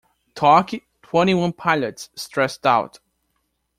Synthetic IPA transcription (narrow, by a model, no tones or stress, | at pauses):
tʰɑki | tʰw̥ɛ̃ɾ̃iwʌ̃npʰaɪlətsːtɹ̥ɛstaʊt